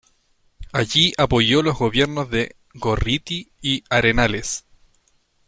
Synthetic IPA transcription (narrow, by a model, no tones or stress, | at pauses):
aʝiapo̞jo̞lo̞zɣo̞βje̞ɾnozðe̞ | ɣo̞rit̪iːaɾenales